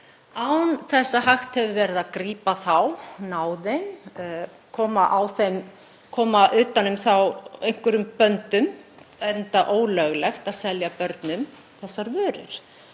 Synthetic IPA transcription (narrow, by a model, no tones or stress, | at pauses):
awnθɛsːaɦaxt̪hɛvʏvɛɾɪðakɾiːpaθawnawðem | kʰɔːmaʔawθem | kʰɔːmaʔʏːt̪anːʏmθawejŋ̥kʏɾʏmpœnt̪ʏmɛnt̪aʔoːwlœɣlɛxt̪aðsɛljapœɾt̪nʏm | θɛsːaɾvœːɾʏ̰ɾ̥